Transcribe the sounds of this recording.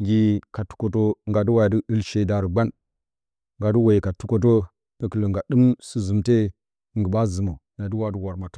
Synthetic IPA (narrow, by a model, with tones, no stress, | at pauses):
ɡʲi˨ka˨tu̥˨ko˨to˦ŋɡa˨du˦wa˦˨jdi˦i˦lʃe˨da˨ɾə˨ɡ͡ba˦n | ŋɡa˨du˦wa˨i˨ka˨tu˦ko˦t̬o˦ | nə˦kə˨lə˨ŋɡa˨dɨ˦msi˦zu˨mte˦ | ŋ˨ɡə˨ba˦zə˨mo˨ | na˨du˦wa˨˦du˦wa˨ɾma˨to˦